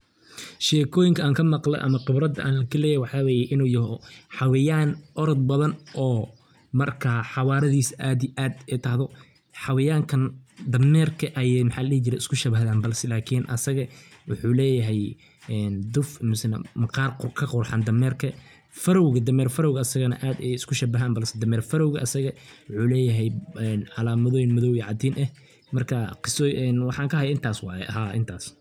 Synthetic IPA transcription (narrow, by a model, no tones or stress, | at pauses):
ʃɛːkʰɔːjɪŋkʰɐaːŋkʰɐmɑqlɛ̰ʔɐ̰mɐqɪbɾɐd̪ɐʔa̰ːnlɐɣɐlɛːjjwɑħɑːwɛːjɛʔɪnuːjɐɦɔħɑwɪjaːnʔɔɾɔd̪̚bɐðɐnʔɔː | mɐrkʰaːħɑwɑːɾɐðiːsʔaːd̪iʔaːd̪ɛt̪ʰɐhðɔ | ħɑwɪjaːŋkʰɐnd̪ɐmɛːrkʰɐʔɛjmħaːllɛːht͡ʃɪɾɛɪ̥skʰʊʃɐβɐɦðaːnbɐlsɛlaːkʰiːnʔɐ̰sɐɣɐwʊħuːlɛːjɐɦɛj | ɛnd̪ʊfmʊsɐna̰mɐqɑːrqʊkʰɐqʊrħand̪ɐmɛːrkʰɐ | fɐɾɔwɣɐd̪ɐmɛːrfɐɾɔwɣɐɐsɐɣɐnɐ̰ʔaːd̪ɛjɪskʰʊʃɐbɐɦaːnbɐlsɛd̪ɐmɛːrfɐɾɔwɣɐʔɐsɐɣɐwʊħuːlɛːjɐɦɛjɛnʕɑlaːmɐðɔːjɪnmɐðɔwiʕɑd̪iːnʔɛh | mɐrkʰɐqɪsɔʔɛnwɑħɑːŋkʰɐhɐjaːɪnt̪ʰaːswɑɛ̰ɐɦaːʔɪnt̪ʰaːs